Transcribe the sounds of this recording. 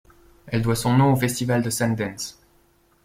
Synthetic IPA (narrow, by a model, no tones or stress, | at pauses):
ɛld̪wasɔ̃nɔ̃ofɛst̪ivald̪əsɛ̃nd̪ɛ̃ns